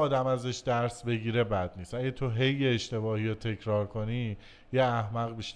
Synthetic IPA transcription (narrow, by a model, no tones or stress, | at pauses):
ɒːd̪æmæzeʃd̪æɾsbe̞ɟiːɾe̞bæd̪niːst̪ʔæɟet̪ʰoɦe̞jːeːʃt̪e̞bɒːhiɾot̪ʰe̞cʰɾɒːɾkʰo̞ni | jeæhmæɣbiʃ